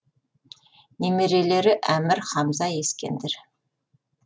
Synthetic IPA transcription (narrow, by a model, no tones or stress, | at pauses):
nemeɾele̞ɾɪʔæmɪɾχɑmzɑje̞skʲe̞̰nd̪eɾ